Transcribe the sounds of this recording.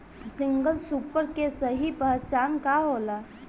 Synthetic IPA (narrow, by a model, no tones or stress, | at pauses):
sɪ̃ŋɡəlsuːpəɾkesəɦipəɦt͡ʃaːnkaɦoːlaː